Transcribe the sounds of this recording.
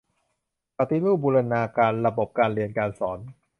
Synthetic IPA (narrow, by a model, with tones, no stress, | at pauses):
pa˧t̪i˦luː˥˩buː˧ɾa˧naː˧kaː˧nɾa˧bo˨˩p̚kaː˧nɾi˧ənkaː˧nsɔː˩˦n